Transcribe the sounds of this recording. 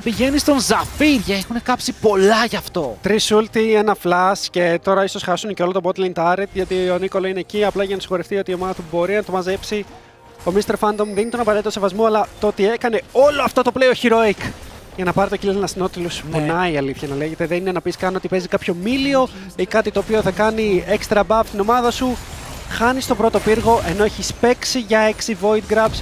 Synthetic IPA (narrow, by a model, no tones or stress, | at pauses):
piʝe̞nist̪o̞nzɐfiɾʝɐexune̞kɐpsipo̞lɐʝɐft̪o̞t̪ɾisult̪ienɐflɐsce̞t̪o̞ɾɐiso̞sxɐsunceo̞lot̪obo̞t̪lɐnt̪ɐɾet̪ʝɐt̪ioɐniko̞lɐine̞ciɐplɐʝɐnɐsi̥xo̞ɾeft̪io̞t̪iomɐnɐt̪ubo̞ɾinɐt̪o̞mɐze̞psi | o̞mist̪e̞ɾfɐnd̪o̞mðinit̪o̞nɐpɐɾt̪it̪ose̞vɐzmoɐlɐt̪oot̪ie̞kɐne̞o̞loɐft̪o̞t̪opleoçiɾo̞ikʝɐnɐpɐɾit̪ocilnɐst̪ino̞t̪ilosfonɐiɐliθçɐnɐle̞ʝe̞t̪eðeninenɐpiskɐnio̞t̪ipe̞zikɐpço̞milio̞ikɐt̪it̪oːpio̞θɐkɐniekst̪ɾɐbɐpot̪ino̞mɐðɐsuxɐnist̪o̞pɾo̞t̪o̞piɾɣo̞ʔe̞no̞eçispe̞ksiʝɐe̞ksivo̞it̪̚ɡɾɐps